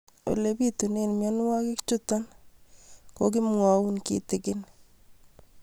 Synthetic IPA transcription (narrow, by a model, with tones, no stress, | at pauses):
o̰˨le˨bi˦tu˨ne˦nmjɔ˦n˦wa˦kɪ˦kt͡ʃʊ˦ta˦n | ko˦kɪ˦mwa˨wu˦nkḭ˨tɪkɪn